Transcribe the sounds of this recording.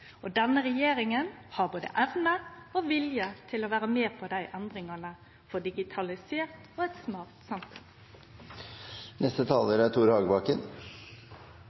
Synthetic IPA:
ɔd̪ɛnəɾɛjeːɾɪŋənhɑboːd̪ə̰ʔɛʋnəoʋɪljət̪ʰɪlɔʋæːɾəmeːpʰɔd̪æɪʔɛnd̪ɾɪŋɑnə | fɔd̪ɪɡɪt̪ʰɑlɪseːʁt̪ɔːɛt̪smɑːʁt̪sɑmfʉn | nɛst̪ət̪ʰɑːləɾæt̪ʰuːɾhɑːɡəbɑːkən

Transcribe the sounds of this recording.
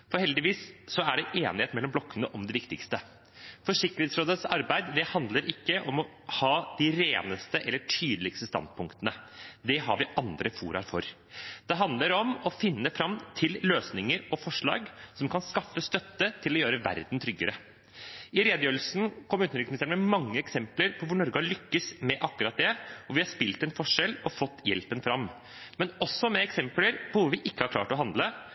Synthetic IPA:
fɔɾhɛld̪ɪʋiːssɔæɖɛʔeːnɪheːt̪mɛlːɔmblɔkːənəʔɔmd̪ɛʋɪkt̪ɪkst̪ə | fɔʂɪkːəɾeːt̪sɾoːd̪ət̪sɑɾbæɪd̪d̪ɛhɑnd̪ləɾʔɪkːəʔɔmɔ | hɑːd̪̥ɪɾeːnəst̪əʔɛlːəʈʰyːd̪l̩ɪkst̪əst̪ɑ̰nd̪̚pʰʊŋkt̪ənəd̪ɛɦɑɾʋɪʔɑnd̪ɾəfṵːɾɑ̰ɾfɔɾ | d̪̥ɛɦɑnd̪ləɾɔmɔfɪnːəfɾɑmt̪ʰɪlløːsnɪŋəɾɔfɔʂɭɑ̰ːɡsɔmkʰɑnskɑfːəst̪œt̪ːət̪ʰɪlɔjøːɾəʋæ̰ɾd̪n̩t̪ʰɾʏɡːəɾə | ɪɾeːd̪jøːlsn̩kʰɔmːʉnt̪ɾɪksmɪnst̪eːɳmɛmɑŋːəɛksɛmpləɾpʰɔʋʊɳɔɾɡɑlʏkːəsmɛʔɑkːʉɾɑt̪̚d̪ɛɔʋɪhɑspɪlt̪ɛnfɔʂɛlɔfɔt̪ːjɛ̰lpənfɾɑm | mɛnɔsːɔmɛɛksɛmpləɾpʰɔʋʊɾʋɪʔɪkːəhɑɾkʰlɑ̰ːʈɔɦɑnd̪lə

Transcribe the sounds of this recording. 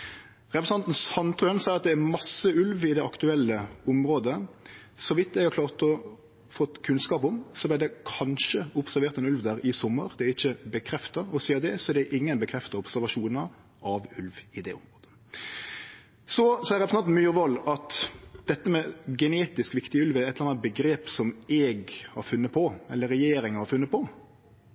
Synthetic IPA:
ʁɛpɾsnɑnt̪n̩sɑnt̪ʰɾøənsɛɪəɑt̪̚d̪ɛæɾmɑsːəʉlʋɪd̪ɛɑkt̪ʉɛlːəʊmɾoːd̪əsɔʋɪt̪ːɛɡhɑklɑːʁt̪ɔ | fɔt̪ːkʰʉnskɑːpʊmsɔblɪd̪ɛkʰɑnʃəʊpsæɾʋeːɾt̪ɛnʉlʋd̪æːɾɪsɔmːəɾd̪ɛɪçːəbəkʰɾɛft̪ɑɾɔsiːəɾd̪ɛsɔɛd̪ɛʔɪŋːənbəkʰɾɛft̪ɑʊpsæɾʋɑʂuːnəɾ | ɑʋʉlʋɪd̪ɛʊmɾoːd̪̥ə̥ | sɔsɔæɾɛpɾsɑnmyːɾʋɔlːɑt̪d̪̥ɛt̪ːəmɛɡɛneːt̪ɪskʋɪkt̪ɪʉlʋɛɾɛt̪ɑnt̪bəɡɾeːpsɔmɛɡhɑ̰ɾfʉnːət̪̚pʰɔɛlːəɾɛjeːɾɪŋəhɑɾfʉnːət̪̚pʰɔ

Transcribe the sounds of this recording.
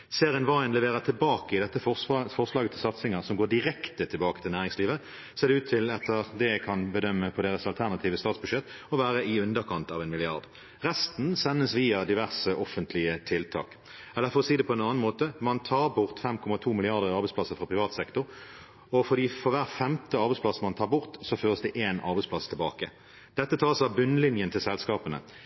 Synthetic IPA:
seːʁɪənʋɑɪənlɛʋeːʁət̪ʰɪlbɑːkəɪd̪ɛt̪ːəfɔʁslɑːɡət̪ʰɪlsɑt̪sɪŋəʁsɔmɡoːd̪ɪɾɛkt̪ət̪ʰɪlbɑːkət̪ʰɪlnæːʁɪŋsliːʋə | seːd̪ɛʉːt̪ʰːɪlɛt̪ːəʁd̪ɛækʰɑnbəd̪œmːəpʰɔd̪eːʁəsɑlt̪ʰæʁnɑt̪ʰiːʋəst̪ɑːt̪sbʉʂʃɛt̪ːɔʋæːʁəɪʉnd̪əkʰɑnt̪ɑʋɛnmɪlɪɑʁd̪ | ʁɛst̪n̩sɛnːəsʋiːɑd̪ɪʋæʁsəʔɔfənt̪ʰlɪət̪ʰɪlt̪ʰɑ̰ːk | ɛlːəɾfɔʁɔsiːd̪ɛpʰɔɛnɑːn̩moːt̪əmɑnt̪ʰɑːʁbʊʁt̪fɛmkʰɔmɑt̪ʰuːmɪlɪɑʁd̪əʁɑʁbɛɪspʰlɑsːəfɾɑpʰʁɪʋɑːt̪sɛkt̪ʊɾ | ɔfɔʁd̪iːfɔʋæːʁfɛmt̪əɑʁbɛɪsplɑsəmɑnt̪ʰɑːbʊʁt̪sɔføːʁəsd̪ɛʔeːnɑ̰ɾbɛɪspʰlɑst̪ʰɪlbɑːkə | d̪̥ɛt̪ːət̪ʰɑːsɑbʉnːlɪnjənt̪ʰɪlsɛlskɑːpənə̰

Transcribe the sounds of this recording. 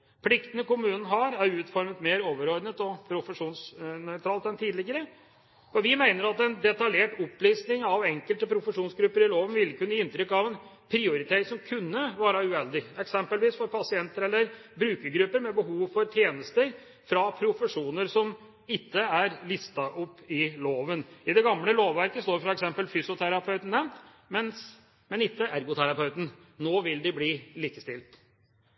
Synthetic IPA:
pʰlɪkt̪ənəkʊmʉːnən̩ɦɑɾæɾʉːt̪fɔɾmət̪meːɾoːʋəɾɔɾɖ̪nət̪ɔpʰɾʊfəʂuːnsnœʏt̪ʰɾɑːlt̪ɛnt̪ʰiːd̪lɪɡəɾə | fɔɾʋɪmæɪnəɾɑt̪ɛnd̪ɛt̪ɑljeːʈɔpːliːsnɪŋɑʋɛŋkəlt̪əpʰɾʊfəʂuːnsɡɾʉpːəɾɪloːʋənʋɪlːkʰʉnːəɪnt̪ɾʏkːɑʋɛn | pʰɾɪʊɾɪt̪ʰeːɾɪsɔmkʰʉnːəʋɑːɾɑʉɛld̪ɪɛksɛmpəlʋiːsfɔɾpʰɑsɪɛnt̪əɾɛlːəɾbɾʉːkəɾɡɾʉpːəɾmɛbəɦuːʋfɔɾt̪ʰjeːnəst̪əɾ | fɾɑpʰɾʊfəʂuːnəɾsɔm | ɪt̪ːəæɾlɪst̪ɑʔɔpːɪloːʋənɪd̪ɛɡɑmləloːʋʋæɾkəst̪oːɾfɾɑɛksɛmpəlfyːsʊt̪ʰæɾɑpʰœʉt̪n̩ɛn | mɛns | mɛnɪt̪ːəʔæɾɡʊt̪ʰæɾɑpʰœʉt̪n̩noːʋɪld̪ɪbliːliːkəst̪ɪlt̪

